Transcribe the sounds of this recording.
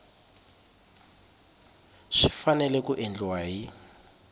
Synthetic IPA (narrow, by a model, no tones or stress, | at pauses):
ʂifanɛlɛkuʔend͡ɮwaji